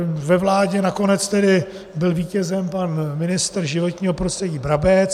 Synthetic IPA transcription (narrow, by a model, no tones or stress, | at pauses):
vɛvlaːɟɛnako̞nɛt͡st̪ɛdɪ | bɪlviːcɛzɛmpanmɪnɪst̪rʒɪvo̞t̪ɲiːɦopɾost̪r̥ɛɟiːbɾabɛt͡s